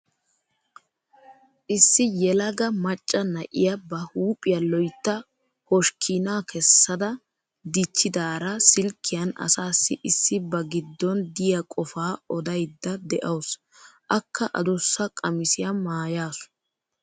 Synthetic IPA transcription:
ʔɪsːɪjɛlɐɡɐmɐt͡ʃʼːɐnɐʔɪ̰jɐbɐhuːpʼɪjɐlɔjt̪ːɐ | hɔʃkʰinaːkʰɛsːɐd̪ɐ | d̪ɪt͡ʃːɪd̪aːɾɐsɪlkʰːɪjɐnɐ̰saːsːɪʔɪsːɪbɐɡɪd̪ːɔnd̪ɪjɐkʼɔfaːɔd̪ɐjd̪ːɐd̪ɛʔɐws | ʔɐkʰːɐʔɐ̰d̪ɔsːɐkʼɐmɪsɪjɐmaːjaːsʊ̥

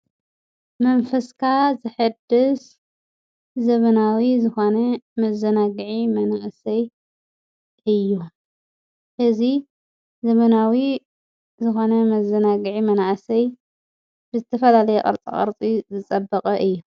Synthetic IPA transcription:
mɐnfɐskʰazɨħɨd̪ɨs | zɐβɐnawizɨxonɐmɐzɐnaɡɨʕimɐnaʔsɐj | ʔɨjːu | ʔɨzi | zɐmɐnawi | zɨxo̞nɐmɐzɐnaɡɨʕimɐnaʔsɐj | bɨzɨt̪ʰɐfɐlalɐjɛqʼɐ̰ɾt͡sʼḭχʼɐ̰ɾt͡sʼizɨt͡sʼɐbːɐqʼɐʔɨjːu

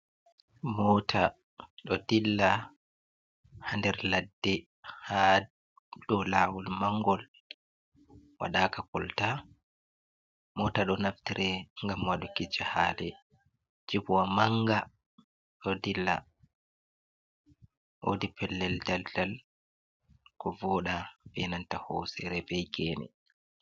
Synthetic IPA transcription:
mɔːtʰa | ɗɔdilːa | handɛɾladːɛ | ha | ɗɔlawulmaŋɡɔl | wa̰ɗaːkakɔlta | mɔːtaɗɔnaftiɾʔɛŋɡamwaɗukid͡ʒahaːdɛ | d͡ʒibuwamaŋɡa | ʔodilːa̰ | ʔo̰dipɛlːɛldaldal | kɔvɔɗabɛnantahɔːsɛɾɛbɛjɡɛːnɛ̰

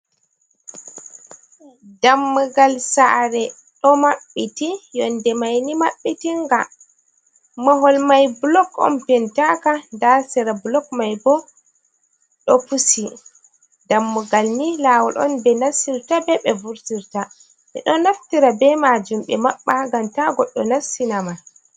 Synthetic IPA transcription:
damːuɡalsaɾɛ | ɗɔmaɓːitijɔndɛmajnimaɓːitiŋɡa | mɔɦɔlmajblɔkɔ̰npɛntakandasɛɾablɔkmajbɔ | ɗɔpusi | damːuɡalnilaːwɔlʔɔ̰nbɛnasːiɾtabɛɓɛvuɾtiɾta | mɛ̰ɗɔnaftiɾabɛmad͡ʒumɓɛmaɓːaɡamtaɡɔɗːɔnasːinama

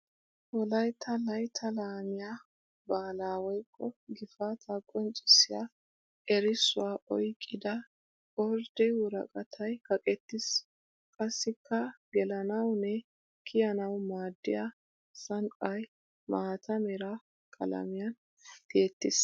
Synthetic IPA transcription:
wɔlɐjt̪ʰɐlɐjt̪ʰɐlaːmɪja | baːlaːwɔjkʰːɔɡɪfat̪ʰɐkʼːɔnt͡sʼɪsɪja | ɛɾɪsʊwaːʔɔjkʼːɪd̪ɐ | ɔɾd̪̥ɪwʊɾɐ̰kʼɐt̪ʰɐjkɐkʼɛt̪ːɪs | kʼɐsːɪkʰːɐɡɛlɐnɐwnɛ | kʰɪjɐnɐwmaːd̪ːɪja | sɐŋkʼɐj | maːt̪ɐmɛɾɐ | kʼɐ̰lɐ̰mɪjɐn | t̪eːt̪ːɪs

